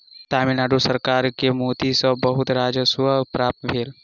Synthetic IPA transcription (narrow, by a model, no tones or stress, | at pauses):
t̪aːminaːɖusəɾkaːɾkemoːt̪isəbɐɦʊt̪ɾaːd͡ʒəsʋəpɾaːp̚t̪bʱeːl